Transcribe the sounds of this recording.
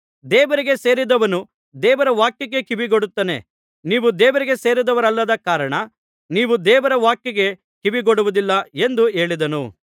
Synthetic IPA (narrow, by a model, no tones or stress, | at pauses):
d̪ɛːʋɐɾiɡe̞seːɾid̪ɐʋɐnu | d̪ɛːʋɐɾɐʋaːkjɐɡekibiɡoɽut̪ːɐne̞̰ | niːʋud̪ɛːʋɐɾiɡe̞se̞ːɾid̪ɐʋɐɾɐlːɐd̪ɐkaːɾɐɳɐ | niːʋud̪ɛːʋɐɾɐʋaːkjɐɡe̞ | kibiɡoɽuʋud̪ilːɐe̞nd̪ue̞ːɭid̪ɐnṵ